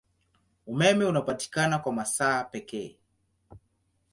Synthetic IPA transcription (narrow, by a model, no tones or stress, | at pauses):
umɛmɛunapati̥kanakwamasaːpɛkɛː